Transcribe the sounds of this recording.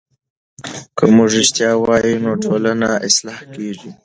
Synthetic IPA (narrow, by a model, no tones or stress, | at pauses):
kəmuʐɪʃt̪jɑwɑjinoʈʰolanaʔɪslɑhkeʐi